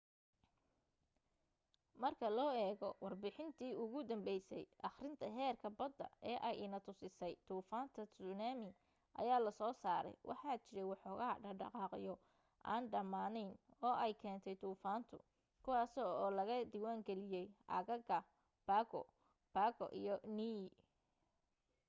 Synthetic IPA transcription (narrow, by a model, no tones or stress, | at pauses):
mɐrkʰɐlɔːɛːɣɔwɑrbɪħɪnt̪ʰiːʊɣʊd̪ɐmbɛjsɛjʔɑχrɪnt̪ʰɐɦɛːrkʰɐbɐd̪ːɐ̰ɛːʔɛjɪnɐt̪ʰʊsɪsɛjt̪ʰuːfaːnt̪ʰɐsʊnaːmɪ | ʔɐ̰jaːlɐsɔːsaːɾɛ̰jwʔɑ̰ħɑːt͡ʃɪɾɛjwɑħɔːɣɐːɖɐɖɑ̰qɑːqɪ̰jɔ | ʔaːnɖɐmaːnɛnɔːɛjkʰɛːnt̪ʰɛjt̪ʰuːfaːnt̪ʰʊ̰ | kʰʊwɑːsɔɔːlɐɣɐd̪iwaːŋɡɛlɪjɛjʔɐ̰ɣɐɣɐ | b̥aːɣɔ̰ | b̥aːkɔ̰ʔḭjɔniː